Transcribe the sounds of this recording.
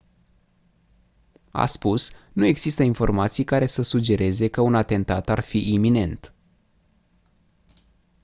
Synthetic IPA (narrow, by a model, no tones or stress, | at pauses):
a̰spusnue̞ɡz̥ist̪əinfo̞rmat̪sijkaɾe̞səsud͡ʒe̞ɾe̞ze̞kəunat̪e̞nt̪at̪arfiʔimine̞nt̪